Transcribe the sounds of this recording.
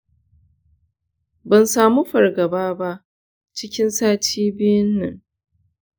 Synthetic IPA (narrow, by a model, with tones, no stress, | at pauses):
bɐ˨nsaː˨mu˦ɸɐ˨rɡɐ˨baː˦ba˦ʔ | t͡ʃɪ˦kʲɪ˦nsaː˦tʰiː˦bɪ˦jʊ˦nːɐ̰˨ŋ